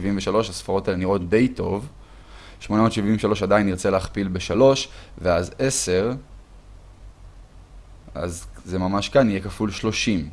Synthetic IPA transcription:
ivimveʃalo̞ʃasfaʁo̞taleniʁo̞t̚d̪e̞jto̞v | ʃmo̞namotʃivimveʃalo̞ʃadajiniʁt͡seleaχpilbe̞ʃalo̞ʃveaze̞se̞ʁ | a̰zzemamaʃkanijekafulʃlo̞ʃim

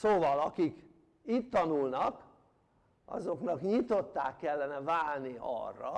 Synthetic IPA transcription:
soːvɒlɒkik | iːt̪ːɒnulnɒk | ʔɒ̰zo̞knɒkɲit̪o̞t̪ːa̰ːkːɛlːɛnɛvaːlniɒ̰rːɒ̰

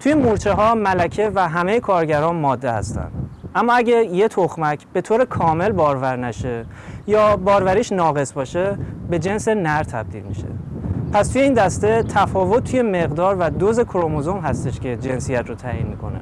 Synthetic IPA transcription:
t̪ʰujemuɾt͡ʃʰeɦɒːmælæcʰe̞væɦæme̞jekʰɒːɾɟæɾɒːnmɒːd̪ːe̞hæ̰st̪æ̰nd̪̥ʔæmːɒːæɟæje̞t̪ʰoxmæcʰb̥e̞t̪ʰoːɾe̞kʰɒːme̞lbɒːɾvæɾnæʃe̞ | jɒːbɒːɾvæɾiːʃnɒːɣe̞sbɒːʃe̞be̞d͡ʒe̞nse̞næɾt̪ʰæb̚d̪ḭlmḭʃe̞̰pʰæst̪ʰuje̞iːnd̪æst̪e̞t̪ʰæfɒːvo̞t̪̚ʰːuje̞me̞ɣd̪ɒːɾvæd̪oze̞kʰoɾomozo̞mɦæst̪e̞ʃcʰe̞d͡ʒe̞nsijæt̪rot̪ʰæːjḭnmikʰo̞̰nḛ

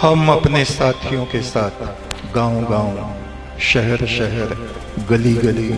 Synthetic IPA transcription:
hɐmɐpnesaːt̪ʰijõkesaːt̪ʰ | ɡãːõɡãːõ | ʃɛɦɛɾʃɛɦɛɾ | ɡɐliɡɐli

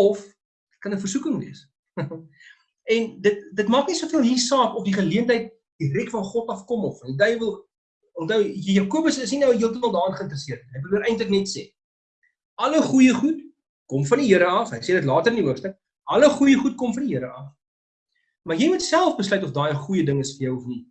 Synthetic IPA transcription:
ɔf | kɐnəfərsukəŋlḭəs | ɛndət̚dətmɑːknisuəfiəlˠɦisɑːkɔfdiχəliəntɦəjt̚ | d̥irɛkfɐnχɔtɐfkɔmɔffɐndidœjvəlˠ | ɔntəwjjɑːkuəbəsəsninəwəɦiəlˠtəməlˠdɑːənχəənt̪rəsiərt̚niɦəjbəluəɾɛjntləknɛtseː | ʔɐləχujəχut | kɔmfɐndiɦiəɾəɐfɦəjseːdətlɑːtəɾəndiɦuəpstək̚ | ʔɐləχujəχut̚kɔmfɐndiɦiəɾəɐf | mɐrjɛjmutsælˠfbəslœɥt̬ɔfdɑːjəχujədəŋəsfərjœwɔfni

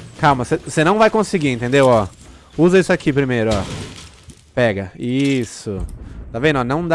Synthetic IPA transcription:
kawmɐsesenɐ̃w̃vajkõsiɡiẽt̪ẽnd̪ewɔ | uzɐisʊakipɾimejɾʊɔ | pɛɡɐisʊt̪avẽnd̪ɔnɐ̃w̃d̪

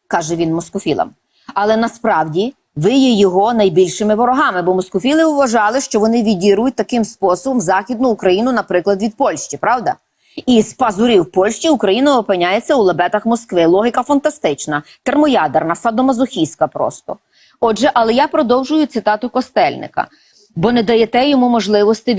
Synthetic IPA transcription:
kɑʒɛʋʲinmɔskʊfʲilˠɐ̰m | ɐlˠɛnɐspɾɑwdʲi | ʋɪjɛjɔɦɔnɐjbʲilʲʃɪmɪʋɔɾɔɦɑmɪbɔmɔskʊfʲilˠɪʊʋɐʒɑlˠɪʃt͡ʃɔʋɔnɪʋʲidʲiɾʊjʊt̚ʲt̪ɐkɪmspɔsɔbɔmzɑxʲid̪nʊːkɾɐjinʊnɐpɾɪklˠɐd̪ʋʲid̪̚pɔlʲʃt͡ʃipɾɑwd̪ɐ̰ | ispɐzʊɾʲiwpɔlʲʃt͡ʃʲiʊkɾɐjinɐɔpɪnʲajet͡sʲːɐulˠɐbɛt̪ɐxmɔskʋɪlˠɔɦɪkɐfɐnt̪ɐst̪ɪt͡ʃnɐt̪ɛrmɔjɑd̪ernɐsɐd̪ɔmɐzʊxʲijsʲkɐpɾɔ̰st̪ɔ̰ | ɔʒɛʔɐlˠɛjapɾɔd̪ɔwʒʊjʊt̪sɪt̪ɑt̪ʊkɔst̪ɛlʲnɪ̰kɐ̰ | bɔnɛd̪ɐjɛt̪ɛjɔmumɔʒlˠɪʋɔst̪ɪ

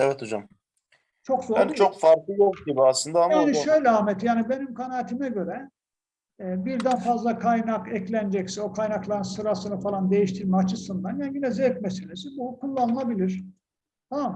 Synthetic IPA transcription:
evɛt̪ʰod͡ʒam | t͡ʃʰo̞kzoɾt͡ʃʰo̞kfaɾk̪ˠɯjokɟibiaslɯnd̪aamjaːniʃø̞jlʲɛamɛt̪jaːnibe̞nimkʰanaːt̪ʰimɛɟø̞ɾɛ | biɾd̪ænfazlˠakʰajnakʰɛclʲænd͡ʒɛcsio̞kʰajnaklˠaɾɯnsɯɾasɯnɯfalˠand̪e̞jiʃt̪ʰiɾmɛat͡ʃʰɯsɯnd̪anjaːniɟinɛzɛt̪̚mesinizibukʰulˠːanɯlˠabilʲiɾ̥ | t̪ʰamam

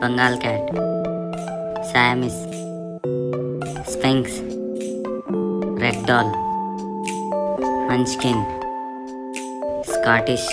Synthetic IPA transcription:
b̥əŋɡaːlkɛːʈ | sajmis | spẽŋks | ɾek̚ɖɔːl | hənt͡ʃkin | skaːʈiʃ

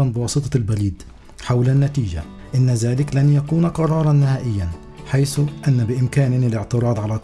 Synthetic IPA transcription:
ɑnbɪwɑːsˤɨt̪ˤɑlbaliːd̪ | ħawlanːat̪iːd͡ʒa̰ | ʔɪnːazaːlɪklanjakuːnqɑɾˤɑːɾˤɑnːɪhaːʔɪjːan | ħajsʊʔanːabɪʔɪmkaːnɪɪlɪʕt̪ɨɾˤɑːd̪ˤʕala

